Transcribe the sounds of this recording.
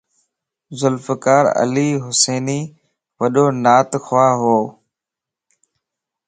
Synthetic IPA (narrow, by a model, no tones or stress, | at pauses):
zʊlfəkaːɾə̰liːɦʊseːniː | ʋəɗoːnaːt̪xʰʊʋaːɦoː